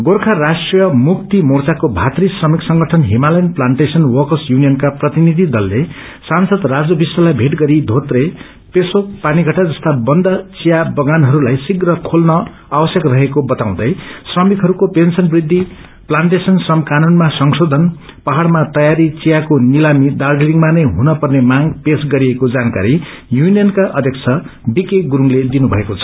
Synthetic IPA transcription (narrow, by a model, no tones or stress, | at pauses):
ɡorkʰarasʈrijʌmuk̚t̪imort͡sakobʱat̪risʌmiksʌŋɡʌʈʰʌnɦimalʌjnplaɳʈesʌnwʌkʌsjunijʌnkaprʌt̪inid̪ʱid̪ʌlːe | sansʌd̪rad͡zobisːʌlabʱeʈɡʌɾid̪ʱot̪re | pesok̚paniɡʱʌʈad͡zʌst̪abʌnd̪ʱʌt͡sijabʌɡanɦʌɾulajsiɡrʌkʰolnʌ | abʌsjʌkrʌɦekobʌt̪aw̃d̪ʌjsrʌmikɦʌɾukopensʌnbrid̪ʱːi | plaɳʈesʌnsʌmkanunmasʌŋsod̪ʱʌn | paɦaɽmat̪ʌjaɾit͡sijakonilamid̪ard͡ziliŋmanʌjɦunʌpʌrnemaŋɡpesɡʌɾiekod͡zanka̰ɾi | junijʌnkaʔʌ̰d̪ʱjʌkt͡sʰʌ | bikeɡuɾuŋled̪inubʱʌ̰ekot͡sʰʌ̥